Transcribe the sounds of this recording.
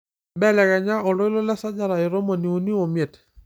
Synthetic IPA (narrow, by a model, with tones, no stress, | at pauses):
bɛ˦lɛ˨ka˨ɲa˦ʔɔ˨lɔ˦ɪ˦lɔ˦la˦sa˦d͡ʒa˦ɾa˨ɪ˨ɾo˦mo˨ni˨o˨ni˦o˨mje˨t